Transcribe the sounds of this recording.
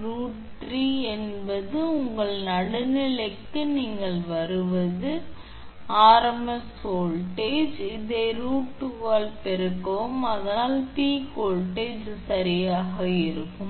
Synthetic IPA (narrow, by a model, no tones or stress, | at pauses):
ɾuːʈ | ɾiɛnbɐðɯʊŋɡɐɭnɐɽɯnɪɭɐkːɯniːŋɡɐɭʋɐɾɯʋɐðɯ | aːɾɐmɐsoːɭʈeːd͡ʒɪðeɾuːʈːɯʋaːlpɛɾɯkːɐʋɯmɐðɐnaːlpiːkoːlʈeːd͡ʒsɐɾɪjaːɣɐɪɾɯkːɯm